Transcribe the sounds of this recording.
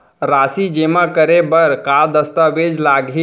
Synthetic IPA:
ɾaːsid͡ʒemakəɾebəɾkad̪əst̪aʋed͡ʒlaɡʱi

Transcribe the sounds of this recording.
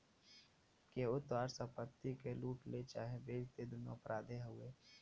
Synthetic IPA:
keʊt̪waːɾsə̃pət̪ːikeluːʈlet͡ʃaːɦebeːd͡ʒt̪ed̪ʊnːo̰pɾaːd̪ʱeɦʊeː

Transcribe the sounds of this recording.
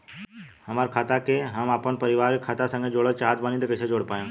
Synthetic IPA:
həmaːɾkʰaːt̪akeɦəmaːpənpəɾɪʋaːɾikʰːaːt̪asə̃ŋɡed͡ʒoːɽəlt͡ʃaɦad̪banid̪kəsed͡ʒoːɽpaːjẽ

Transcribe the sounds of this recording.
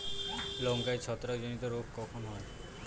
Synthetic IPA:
loŋkajt͡ɕʰɔt̪ɾakd͡ʑonit̪oɾokkɔkʰonɦɔe

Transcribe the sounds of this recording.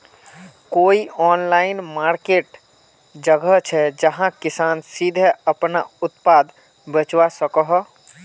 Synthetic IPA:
koːiɔːnlaːɪnmaːɾkeʈ | d͡ʒəɡət͡ʃʰɛd͡ʒəɦãkɪsaːnsid̪ʱəəpna̰ʊt̪paːd̪ | bət͡ʃwasəkəɦ

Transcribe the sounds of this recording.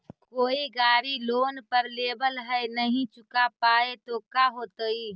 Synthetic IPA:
koːiɡaːɾiloːnpəɾleːbəlɦɛnəɦĩt͡ʃʊkapaːet̪okaɦoːt̪əiː

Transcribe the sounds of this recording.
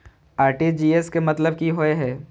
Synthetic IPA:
aːɾʈid͡ʒiːeskemɐt̪ləb̚kiɦoeɦɛː

